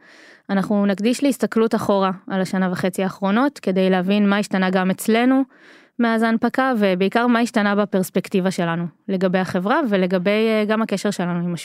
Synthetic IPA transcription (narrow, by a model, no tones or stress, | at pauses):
anaχnunaɡd̪iʃleist̪aklutaχo̞ʁaalaʃanavaχe̞t͡siaːχʁo̞no̞tke̞d̪e̞jleavinmaiʃtanaɡamet͡sle̞nu | meazaanpakave̞beikaʁmaiʃtanabape̞ʁspektivaʃe̞lanule̞ɡabejaχe̞vʁave̞le̞ɡabe̞jɡamhake̞ʃe̞ʁʃe̞lanuimaʃ